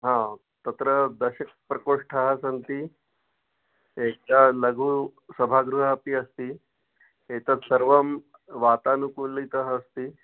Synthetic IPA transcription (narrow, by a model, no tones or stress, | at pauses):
ɦã | t̪ɐt̪ɾəd̪ɐɕɐk̚pɾɐkoʂʈʰaɦasɐnt̪i | ek̚kalɐɡʱuːsɐbʱaɡɾuɦaːpiɐst̪iː | et̪ɐt̪sɐɾʋɐm | ʋat̪anukuːnliit̪əɦːst̪iː